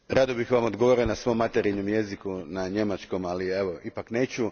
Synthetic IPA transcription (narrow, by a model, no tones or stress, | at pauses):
ɾad̪obixʋamod̪ɡoʋoɾenasʋo̞mːat̪eɾiɲomje̞zikunaɲe̞mat͡ʃko̞malie̞ʋoipakne̞ːt͡ɕu